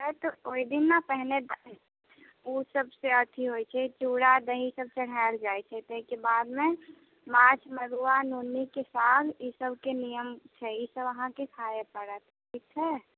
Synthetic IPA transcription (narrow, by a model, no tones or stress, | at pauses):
ɦɛt̪ooːid̪ɪnːapɛɦned̪ | usəbseət̪ʰiɦoːit͡ʃʰɛt͡ʃuːɽad̪əɦĩsəb̚t͡ʃəɽ̤ald͡ʒaːjt͡ʃʰɛt̪əɦikebaːd̪mẽ | maːt͡ʃʰməɾuanunikesaːɡjisəbʱkenijəmt͡ʃʰɛjisəbəɦãkekʰaːjepəɽət̪ | kʰikt͡ʃʰɛ